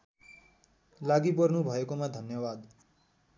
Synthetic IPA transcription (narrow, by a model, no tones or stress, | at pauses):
laɡipʌrnubʱʌekomad̪ʱʌnjʌbad̪